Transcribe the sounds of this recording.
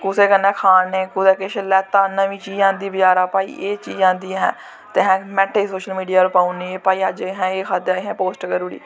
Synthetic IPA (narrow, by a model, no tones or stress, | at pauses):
kʊseːkənːɛ̃ːkʰaːnẽːkʊd̪ɛːkeʃəlɛːt̪ːaːnəʋĩːt͡ʃiːd͡ʒãːnd̪iːbəd͡ʒaːɾaːpaːḭːʔeːt͡ʃḭːd͡ʒãːnd̪iːɦɛ̰̃ː | t̪eɦɛ̃ːmɛ̃ːʈʰːeːsoːʃəlmiːɖijaːɾpaːũniːeːpaːiːəd͡ʒɦɛ̃ːeːkʰaːd̪aːɦɛ̃ːpoːsʈkəɾuːɽḭː